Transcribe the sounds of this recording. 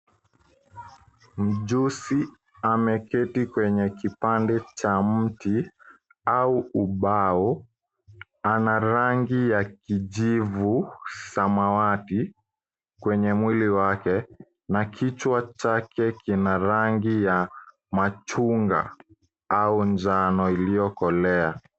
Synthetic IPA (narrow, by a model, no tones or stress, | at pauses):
m̩d͡ʒusi | amɛkɛtikwɛɲɛkipandɛt͡ʃam̩ti | auuɓaɔ | anaɾaŋɡijakid͡ʒivusamawati | kwɛɲɛmwiliwakɛ | nakʰit͡ʃwat͡ʃakɛkinaɾaŋɡija | mat͡ʃuŋɡa̰ | auɲd͡ʒanɔilijɔkɔlɛa